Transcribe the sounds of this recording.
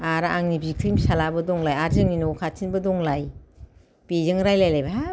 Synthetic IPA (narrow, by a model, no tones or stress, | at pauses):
aɾaʔaŋnibʱik̚tʰimsalabɯdɔŋlajaɾzɯŋinɔwkʰatʰinbɯdɔŋlaj | pizɯŋɾajlajlajba